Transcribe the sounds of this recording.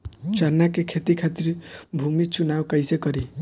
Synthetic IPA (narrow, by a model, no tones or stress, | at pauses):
t͡sarnːakekʰet̪ikʰat̪iɾbʱumit͡sunawkʌjsekʌɾi